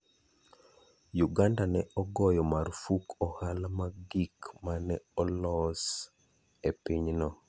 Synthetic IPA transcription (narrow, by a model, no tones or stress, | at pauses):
juɡandanɛɔɡɔjɔmarfukʰɔhalamaɡikmanɛɔlɔs | epiɲnɔ